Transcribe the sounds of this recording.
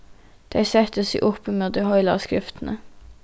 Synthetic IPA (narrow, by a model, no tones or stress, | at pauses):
d̪̥æɪsɛt̪əsḭːʔʊpːəmed̪ehɔʏlɑ̰skɾɪft̪n̩ə